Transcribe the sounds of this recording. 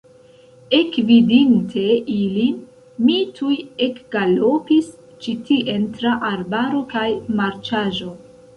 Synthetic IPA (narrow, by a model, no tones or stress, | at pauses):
e̞kvidintʰe̞ʔilin | mitʰujekɡ̥alopis | t͡ʃitiʔe̞ntɾaʔaɾbaɾo̞kajmaɾt͡ʃaʒo̞